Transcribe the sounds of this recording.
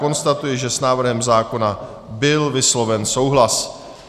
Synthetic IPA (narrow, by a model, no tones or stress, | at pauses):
o̞nst̪at̪ujɪʒɛsnaːvr̩ɦɛmzaːko̞na | bɪlvɪslo̞vɛnso̞wɦlas